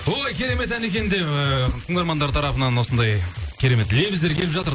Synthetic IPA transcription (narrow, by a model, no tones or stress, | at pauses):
ojkʲʰe̞ɾe̞me̞t̪æne̞kʲe̞nd̪e̞əkʰʊŋɑɾmɑnd̪ɑɾt̪ʰɑɾɑpənɑnwo̞sənd̪ɑjkʲʰe̞ɾe̞me̞t̪lejbize̞ɾkʲʰe̞lɪpʒɑt̪əɾ